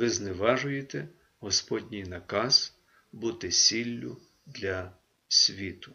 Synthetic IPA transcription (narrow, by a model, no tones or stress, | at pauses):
ʋɪznɪʋɑʒʊjet̪ɛ | ɦɔspɔdʲnʲijnɐkɑz̥ | but̪ɪsʲilʲːʊ̰ | d̪lʲɐ | sʲʋʲit̪ʊ̥